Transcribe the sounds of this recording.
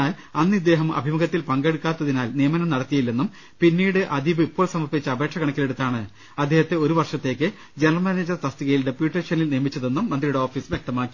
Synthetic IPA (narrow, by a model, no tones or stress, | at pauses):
aːl | ɐnːid̪ːe̞ːɦɐmɐ̰bʱimɐɡɐt̪ːilpɐŋɡeɽukːaːt̪ːɐðinaːlnijɐmɐnɐmnɐɽɐt̪ːijɐilːenːum | pinːiːɽɨʔɐd̪iʋɨipːo̞ːlsɐmɐrpit͡ɕːɐɐbʱe̞ːkʂɐkɐɳɐkʲːileɽut̪ːaːɳɨ | ɐd̪ʱːe̞ːhɐt̪ːeo̞ɾuʋɐrʂɐt̪ːe̞ːkʲːɨ | d͡ʑenɐrmaːneːd͡ʑɐrt̪ɐst̪iɣɐjilɖepjuːʈːeːʂɐnilneːɐmit͡ɕːɐðe̞nːumːɐnd̪rijuɽeoːfiːsʋjek̚t̪ɐmaːkːi̥